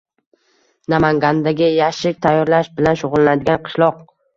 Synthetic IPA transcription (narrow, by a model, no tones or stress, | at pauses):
namaŋɡʲand̪aɡʲɪjaʃɪk̚ʲt̪ʰajːɒɾlaʃbɪlanʃʊʁʊlˠanad̪ɪɡʲanqʰɨ̥ʃlˠɒq̚